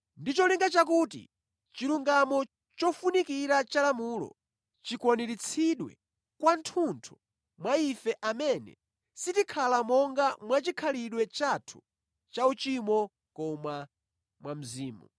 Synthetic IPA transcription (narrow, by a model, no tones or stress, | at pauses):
ndit͡ʃɔliŋɡat͡ʃak̬uːtḭ | t͡ʃiluŋɡamɔ | t͡ʃɔfunikiɾat͡ʃalamulɔ̰ | t͡ʃikwɔnɛɾit͡sʰiɗwɛ̰ | kwantʰuntʰu̥ | mwaifɛʔamɛnɛ̰ | sitikʰalamɔŋɡamwat͡ʃikʰaliɗwɛt͡ʃatʰu̥ | t͡ʃaut͡ʃimɔ | kɔma | mwam̩ziːmṵ